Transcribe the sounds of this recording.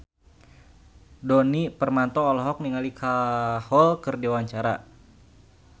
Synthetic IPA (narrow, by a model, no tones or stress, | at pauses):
dɔnipərmant̪ɔːlɔɦɔk̚niŋalikʰahɔlkɨrdiwaɲt͡ʃaɾa̰